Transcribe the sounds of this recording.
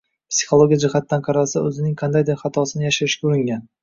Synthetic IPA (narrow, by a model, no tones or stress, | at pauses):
psi̥χolˠoɡʲijad͡ʒɪhat̪ːanqʰɑɾalsaɵzɪnɪŋqʰɑnd̪ajd̪epχɑt̪ʰɒsɪnɪjaʃaɾɪʃkʲauɾɪŋɡʲan